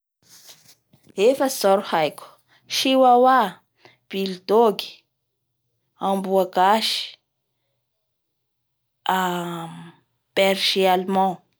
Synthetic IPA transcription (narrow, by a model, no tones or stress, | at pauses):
hefasɔɾhajku̥ | ʃiwawa | b̥ilt̪oɡi̥ | ãmbuakaʃi̥ | a | pɛɾʒialmɔ̃